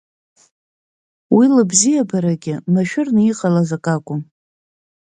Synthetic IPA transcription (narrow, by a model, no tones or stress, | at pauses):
wilɨbzijabaɾaɡʲɪmaʃᶣʊrnɨiqʼalazakʼakʷʼʊ